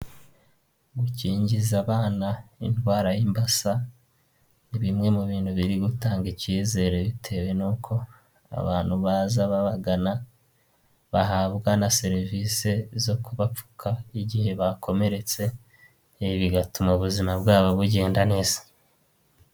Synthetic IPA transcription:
ɡuciːɲɟizaβaːnaindɡwaːɾajimbasa | niβimŋe̞muβiːnthuβiɾiɡutaːŋɡiciːze̞ːɾe̞βitʰe̞we̞nuːkʰo̞ | a̰βaːnhuβaːzaβaβaɡana | βaɦaβɡanase̞ɾivise̞zo̞kuβap͡fu̥kʰaiɟihe̞βakʰo̞me̞ɾe̞t͡se̞ | βiɡatumoβuzimabɡaːβo̞βuɟe̞ːndane̞ːz̥ḁ

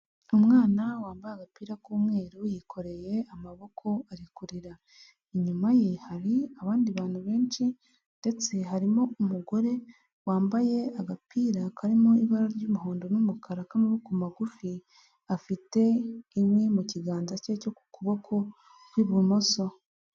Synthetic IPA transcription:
umŋaːnawaːmbajeaɡapiːɾakuːmŋe̞ːɾujikʰo̞ɾe̞je̞amaβo̞kʰo̞aɾikuɾiɾa | iɲumajehaɾiaβaːndiβaːn̥huβe̞ːnʃi | nde̞t͡se̞ɦaɾimoumuɡo̞ɾe̞ | waːmbaje̞aɡapʰiːɾakʰaɾimoiβaɾaɾɟuːmuɦoːndo̞numukʰaɾakamuβukumaɡufi | afite̞imwemuciɡaːnzaceco̞ku̥kuβo̞kʰo̞ | kwiβumo̞so̞

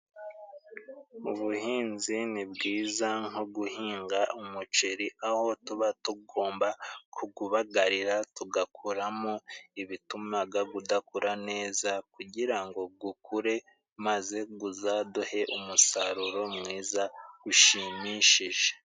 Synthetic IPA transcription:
uβuhiːnzinibɡiːzaŋhoɡuhiːŋɡaumut͡ʃeɾiʔaho̞tuβatuɡo̞ːmbakʰuɡuβaɡaɾiɾatuɡakʰuɾamoiβitumaɡaɡudakuɾane̞ːzakuɟiɾaŋɡo̞b̚ɡukʰuɾe̞ | maze̞ɡuzaduhe̞ʔumusaɾuɾo̞mŋiːzaɡ̥uʃimiʃiʒe̥

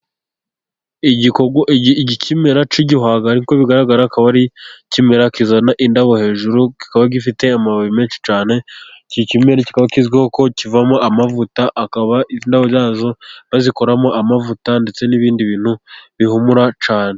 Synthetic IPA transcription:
iɟikoɟicʰime̞ɾat͡ʃiɟiɦaːɡahaɾiko̞βiɡaɾaɡaɾakaβaɾicime̞ɾakizanaʔindaβo̞he̞ːʒuɾuki̥kaβaɡifite̞amaβaβime̞ːnʃi̥t͡ʃaːne̞cicime̞ɾeci̥kaβakizɡiho̞ko̞civamo̞ʔamavutaʔakaβaiindaβojaːzo̞βaziko̞ɾamo̞ʔamavutande̞t͡se̞niβiːndiβiːn̥huβihumuɾat͡ʃaːne̞

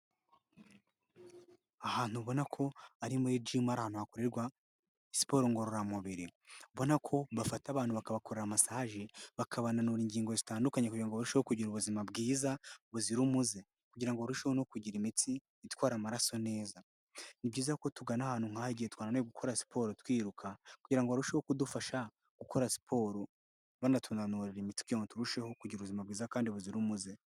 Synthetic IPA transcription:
ahaːn̥huβo̞nakʰo̞aɾimued͡ʒimaɾahaːnhuhakoɾeɾɡwa | si̥po̞ːɾoŋɡoɾuɾamuβiɾiuβo̞nakʰo̞βafataβaːn̥huβakaβakoɾe̞ɾamasaːʒeβakʰaβananuɾiɲɟiːŋɡo̞zitaːndukaɲekuɟiɾaŋɡoβuɾuʃehokuɟiɾuβuzimabɡiːzaβuziɾumuze | kuɟiɾaŋɡoβaɾuʃehono̞kuɟiɾimitiː | t̪waːɾamaɾaso̞ne̞ːza | nibɟiːzahko̞tuɡanahaːnhuŋ̥haiɟihet̪waːnaneɡukʰo̞ɾasi̥pʰo̞ːɾotwiːɾukʰakuɟiɾaŋɡoβaɾuʃe̞ho̞kudufaʃa | ɡ̥uko̞ɾasi̥pʰo̞ːɾo | βanatʰunanuɾeɾimiti̥kioŋotuɾuʃe̞ho̞kuɟiɾuβuzimabɡiːzakaːndiβuziɾumuze̞

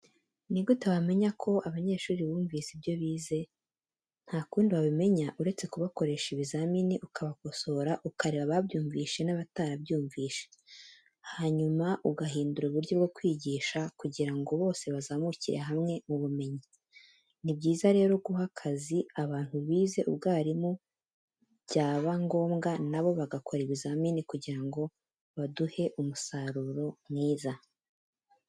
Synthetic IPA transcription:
niɡɡutaβame̞ɲakʰo̞ʔaβaɲe̞ːʃuːɾiβuːɱviːsibjo̞βiːze̞ | n̥haːkuːndiβaβime̞ɲaʔuɾe̞t͡se̞kuβako̞ɾeʃiβizaminiʔukʰaβako̞so̞ɾaʔukaɾeβaβabjuːɱviːʃe̞naβataɾabjuːɱviːʃe̥ | haɲumaʔuɡaɦiːnduɾuβuɾɟo̞bɡo̞kwiːɟiːʃakuɟiɾaŋɡo̞βo̞ːse̞βazaːmuciɾḛɦamŋe̞muβume̞ɲi | nibɟiːzaɾe̞ːɾo̞ɡuɦakʰaziaβaːn̥huβiːze̞ʔubɡaːɾimu | bɟaːβaŋɡo̞ːmɡanaβo̞βaɡakʰo̞ɾeβizamiːnikuɟiɾaŋɡo̞ | βaduhe̞ʔumusaɾuɾo̞mŋiːza

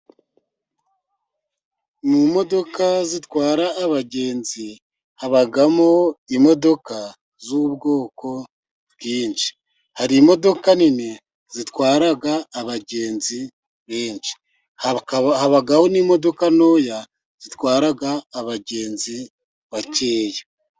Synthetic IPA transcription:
mumo̞do̞kazitwaːɾaʔːβaɟeːnzi | haβaɡamoimo̞do̞ka | zuuβɡo̞ːko̞ | βɡiːnd͡ʒi̥ | haɾimo̞do̞kanine | z̥itwaːɾaɡaːβaɟe̞ːnzi | βe̞ːnʃi̥ | haβaɡaho̞nimo̞do̞kano̞ːja | z̥itwaːɾaɡaːβaɟe̞ːnzi | βace̞ːje

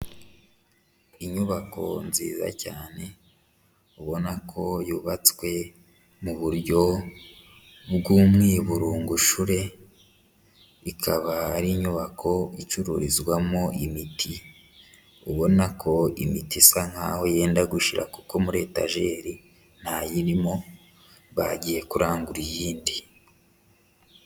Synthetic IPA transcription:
iɲuβako̞̰nzḭːza̰caːne̞ | uβo̞nakʰo̞juːβat͡swe̞ | muβuɾɟo̞ | bɡuːmŋiːβuɾuːŋɡuʃuɾe̞ | ikʰaβaːɾiɲuβakʰo̞it͡ʃuɾṵɾizɡwamoʔimitʰi | uβo̞nakʰo̞ḭmitisaŋ̥ha̰ːho̞je̞ːndaɡuʃiɾʔa̰kuko̞muɾe̞ta̰ʒe̞ɾi | n̥hajiɾimo̞ | βaɟije̞kuɾaːŋɡuɾijiːndi

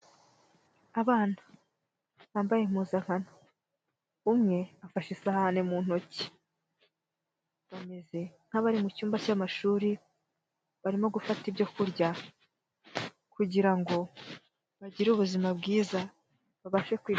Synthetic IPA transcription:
aβaːn̥ḁ | βaːmbaje̞m̥uzaŋ̥hano | umŋe̞afaʃisahaanemun̥o̞ci̥ | βame̞ze̞ŋ̥haβaɾimucuːmbacamaʃuːɾi | βaɾimo̞ɡufatibɟo̞kuɾɟa | kuɟiɾaŋɡo̞ | βaɟiɾuβuzimabɡiːza | βaβaʃe̞kwiː

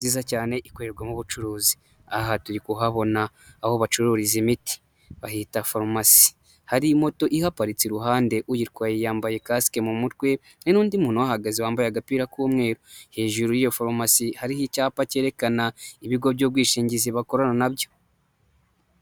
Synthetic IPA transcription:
ziːzacaːne̞ʔikoɾeɾɡwamuβut͡ʃuɾuːzi̥ | aɦatuɾikuɦaβo̞naː | ho̞βat͡ʃuɾuːɾizimiti̥ | βahitafoɾmasi̥ | haɾimo̞to̞ʔihapaɾit͡siɾuɦaːnde̞ʔujiɾkwaːjijaːmbaje̞kaskemumutwe̞ | ninuːndimuːnowahaɡaziwaːmbajaɡapiːɾakuːmŋe̞ːɾuhe̞ːʒuɾujijofoɾmasihaɾihicaːpace̞ːɾe̞kanaiβiɡo̞bjo̞ːbɡwiːʃiːɲɟiziβako̞ɾananabjo̞

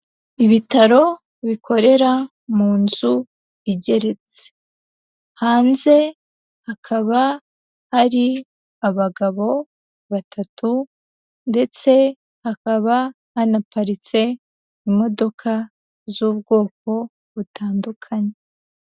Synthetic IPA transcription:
iβitaɾo̞ | βikʰo̞ɾe̞ɾa | muːnzu | iɟe̞ɾe̞t͡se̥ | haːnze̞ | hakʰaβa | haɾi | aβaɡaβo̞ | βatʰatu | nde̞t͡se̞ | hakaβa | hanapaɾit͡se̞ | imo̞do̞kʰa | zuːbɡo̞ːk̚o̞ | βutaːndukʰaɲe

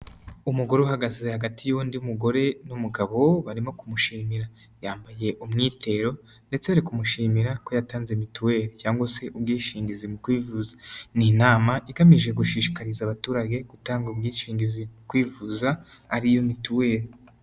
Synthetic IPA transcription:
umuɡo̞ɾeuɦaɡaze̞haɡatʰijundiumuɡo̞ɾe̞numuɡaβo̞βaɾimo̞kumuʃiːmiɾa | jaːmbaje̞ʔumŋiːtʰe̞ɾo̞ | nde̞t͡seaɾikumuʃiːmiɾako̞jataːnzemituwe̞ːɾecaːŋɡwase̞ʔub̚ɡiːʃiːŋɡizimukwiːvuzḁninaːmaʔiɡamiʒe̞ɡuʃiːʃi̥kaɾizaβatuːɾaɡe̞ɡ̥utaːŋɡubɡiːʃiːŋɡizimukwiːvuzaːɾijomituwe̞ːɾe

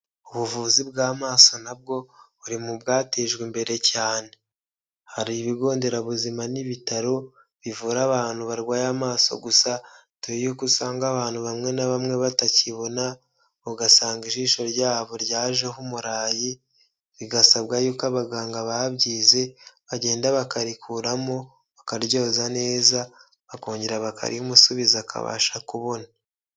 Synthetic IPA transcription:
uβuvuːzibɡaːmaːsonab̚ɡo̞βuɾimubɡaːteːʒɡwembe̞ɾe̞caːne̞ | haɾiβiɡo̞ːnde̞ɾaβuzimaniβitaɾo̞ | βivuːɾaβaːn̥huβaɾɡwaːjamaːso̞̰ɡusa | tujejukusaːŋɡaβaːn̥huβamŋe̞naβamŋe̞βataciβo̞na | βuɡasaːŋɡiʃiːʃo̞ɾɟaːβo̞ɾɟaːʒeɦumuɾaːji | βiɡasaβɡajuːkaβaɡaːŋɡaβahaβɟiːze̞βaɟe̞ːndaβakaɾikuɾamo̞ | βakaɾɟo̞ːzane̞ːza | βako̞ːɲɟeɾaβakʰa̰ɾʔḭhumusuβizakʰa̰βa̰ːʃakuβo̞na

